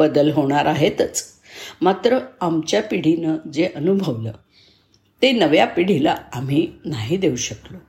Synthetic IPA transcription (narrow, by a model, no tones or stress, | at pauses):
əd̪əlɦoɽ̃aɾʔaɦet̪ət͡s | mat̪ɾəamt͡ɕjapiɽ̤inəd͡zeʔənubʱəʋlə̰ | t̪enəʋjapiɽ̤ila̰am̤iːnaɦid̪euɕəklo